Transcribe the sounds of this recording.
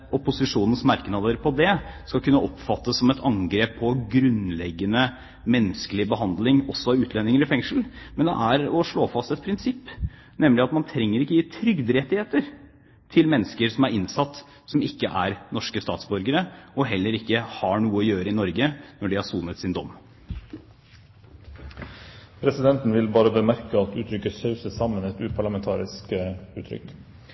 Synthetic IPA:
ɔpːʊsɪʂuːnn̩smɑɾknɑd̪əɾpʰɔd̪ɛskɑlkʰʉnːəʔɔpfɑt̪ːəsːɔmɛt̪ʰɑŋɡɾeːpʰːɔɡɾʉnlɛɡːənə | mɛnːəskəlɪbəɦɑnd̪lɪŋɔsːɔɑʉːt̪ʰlɛnːɪŋəɾɪfɛŋʂəl̩mɛnd̪ɛ̰ʔæɾɔʂɭoːfɑst̪ɛt̪̚pʰɾɪnsɪpː | nɛmlɪɑt̪mɑnt̪ʰɾɛŋːəɾɪkːəjiːt̪ʰɾʏɡd̪əɾɛt̪ːɪheːt̪əɾ | t̪ʰɪlmɛnːəskəɾsɔmæɾɪnsɑt̪ː | sɔmɪkːəʔæɾnɔʂkəst̪ɑ̰ːt̪sbʉɾɡəɾəɔɦɛlːəɾɪkːəhɑɳuːəɔjøːɾəɪnɔɾɡənɔɖɪhɑsuːnət̪sɪnd̪ɔ̰mː | pʰɾɛsɪd̪ɛnt̪n̩ʋɪlbɑːɾəbəmæɾkəɑt̪ʉːt̪ʰɾʏkːəsɑʉsəsɑmːənɛt̪ʉːpʰɑɭɑmɛnt̪ʰɑːɾɪskəʉːt̪ʰɾʏ̰k

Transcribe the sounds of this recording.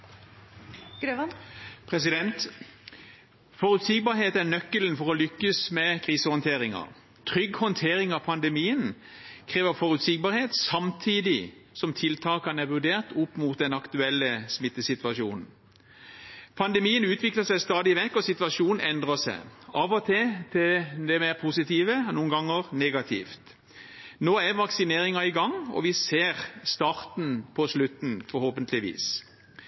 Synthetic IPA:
ɡɾepʰʁɛsɪd̪ɛnt̪ | fɔʁʉt̪siːɡ̚bɑːheːt̪æʁnœkːələnfɔʁɔlʏkːəsmɛkʰʁiːsəhɔnt̪ʰeːʁɪŋɑ̰ʁ | t̪ʰʁʏɡhɔnt̪ʰeːʁɪŋɑpʰɑnd̪ɛmiːən | kʰʁeːʋəfɔʁʉt̪siɡ̚bɑːɾheːt̪sɑmt̪ʰiːd̪ɪ | sɔmt̪ʰɪlt̪ʰɑːkɑnæʋʉd̪eːʁt̪ʊpːmuːt̪̚d̪ɛnɑkt̪ʉɛlːəsmɪt̪ːəsɪt̪ʋɑʃjuːnn̩ | pʰɑnd̪ɛmiːənʉːt̪ʰʋɪkləsæɪst̪ɑːd̪ɪʋɛkːɔsɪt̪ʋɑʃuːnn̩ɛnd̪ʁəsæ̰ɪɑːʋɔt̪ʰet̪ʰɪld̪ɛmeʁpʰusɪt̪ʰiːʋənuːənɡɑŋːəʁneːɡɑt̪ʰḭːft̪ | noːæʋɑksɪneːʁɪŋɑɪɡɑŋɔ̰ʋɪseːʁst̪ɑːʁt̪n̩pʰɔslʉt̪n̩fɔɾhoːpənt̪ʰlɪʋḭːs

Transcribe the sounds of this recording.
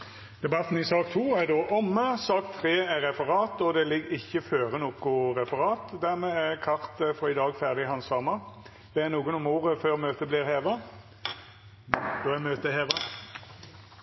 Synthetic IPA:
d̪̥ɛbɑt̪n̩ɪsɑːkt̪ʰuːæd̪oːʔɔmːəsɑːkt̪ʰʁeːæʁɛfəʁɑːt̪ɔd̪ɛlɪɡɪçːəføːʁənuːkʊʁɛfəʁɑːt̪d̪æʁmɛːækʰɑʁt̪əfɔɪd̪ɑːɡfæʁd̪ɪhɑnsɑːmɑ | b̥eːnuːɡənʊmoːʁəføːʁmøːt̪əbliːʁheːʋɑ | d̪̥oːæmøːt̪əheːʋɑ

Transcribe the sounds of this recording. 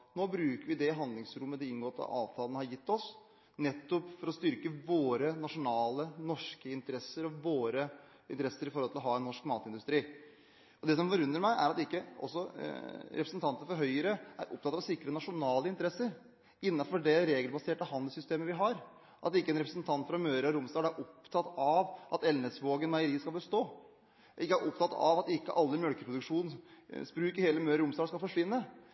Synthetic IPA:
noːbɾʉːkəɾʋɪd̪ɛɪɦɑnd̪lɪŋsɾʊmːəd̪ɛɪnɡoːɾt̪ɑ̰ːʋt̪ʰɑːlənəhɑɾjɪt̪ːɔs | nɛt̪ːʊpfɔɾɔst̪ʏɾkəʋoːɾənɑʂʊnɑːlənɔʂkəɪnt̪əɾɛsːəɾɔʋoːɾə | ɪnt̪ɾɛsːəɾɪfɔɾhɔlt̪ʰɪlɔɦɑːɛnːɔʂkmɑːt̪ɪnd̪ʉst̪ɾiː | ɔd̪ɛsɔmfɔɾʉnːəɾmæɪʔæ̰ɾɑt̪ɪkːəɔ̰sːɔ̰ | ɾɛpɾəsənt̪ʰɑnt̪əəfɔɾɦœʏəɾəʔæ̰ɾʔʊ̰pt̪ʰɑt̪ːɑʋsɪkːɾənɑʂʊnɑːləɪnt̪əɾɛsəɾ | ɪnːɑfɔɖɛɾeːɡəlbɑseːʈəhɑnd̪əlsʏst̪eːməʋɪɦɑɾ | ʔɑt̪ɪkːəɛnɾɛpɾəsnt̪ʰɑnt̪fɾɑmøːɾəɔɾʊmsd̪ɑːɡ̪æɾʔɔpt̪ʰɑt̪ɑʋʔɑt̪ɛlnəsʋoːɡənmæɪəɾiːəskɑlbəst̪oː | ʔɪkːəæɾʔʊpt̪ʰɑt̪ɑ̰ʋɑt̪ɪkːə̰ʔɑlːəmjœlkəpʰɾʊd̪ʉkʂuːnn̩sbɾʉːkəɾheːləmøːɾəɾʊmsd̪ɑːskɑlfɔʂʋɪnːə

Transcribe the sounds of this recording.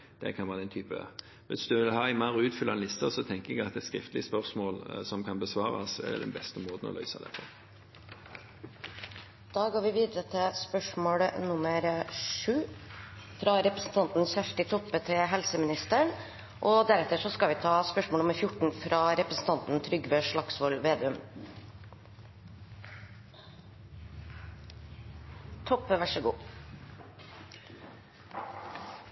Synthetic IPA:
d̪̥ɛ̰kʰɑnʋɑːʁdɛnt̪ʰyːpə̰ | ʋɪsd̪ʉʋɪlhɑːɪmɑʁʉːt̪fʏlɑnlɪst̪əsɔt̪ʰɛŋkəɛɡɑt̪ɛt̪skɾɪft̪lɪspœʁsmoːlsɔmkʰɑnbəsʋɑːɾɑ̰sɛ̰ʁd̪ɛ̰d̪ɛ̰nbɛst̪əɔmɾoːd̪ən̩ɔ̰lœʏsɑd̪ɛ̰fɔ̰ʁ | d̪̥ɑːɡoːɾʋɪʋiːd̪əɾət̪ʰɪlspœʂmoːɽnʊməɾʂʉː | fɾɑɾɛpɾəsn̩t̪ʰɑnt̪n̩sæʂʈɪt̪ʰɔpːət̪ʰɪɦɛlsəmɪnɪst̪əɳ | ʔɔd̪æɾɛt̪əʂɔskɑlʋɪt̪ʰɑːspœʂmɔːnʊməɾfjʊʈɳ̩fɾʔɑːɾɛpɾəsn̩t̪ʰɑnt̪n̩t̪ʰɾʏɡʋøːʂɭɑksʋɔlʋeːd̪ɛœm | t̪ʰɔpːəʋæʂɔɡṵː

